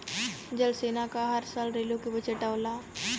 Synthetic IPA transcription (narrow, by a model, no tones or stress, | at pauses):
d͡ʒɐlseːnakaɦɐɾsaːlɾeːlokebət͡ʃeʈaʊla